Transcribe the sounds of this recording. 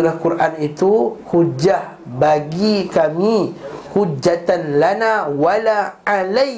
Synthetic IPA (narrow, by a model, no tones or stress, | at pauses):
ɾahkuɾʔanit̪uhud͡ʒah | baɡikamihud͡ʒːat̪anlanawalaalaj